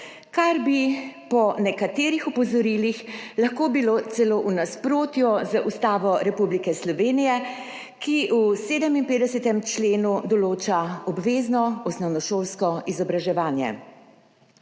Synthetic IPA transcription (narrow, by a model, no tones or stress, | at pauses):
kaɾbipɔnɛkat̪eːɾixɔpɔzɔɾiːlixlaxkobiloːt̪sɛloːʔunaspɾoːt̪jɔzaʔust̪aːʋɔɾɛpublikɛslɔʋeːnijɛ | kiʔuseːd̪ɛminpeːd̪ɛsɛt̪ɛmt͡ʃleːnud̪ɔloːt͡ʃaɔbʋeːznɔɔsnɔwnɔʃoːlskɔizɔbɾaʒɛʋaːnjɛ̰